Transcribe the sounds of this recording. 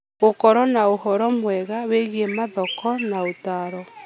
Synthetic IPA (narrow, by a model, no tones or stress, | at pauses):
ɣokɔɾɔnaohɔɾɔmwɛɣaweɣiemaðɔkɔnaotaɾɔ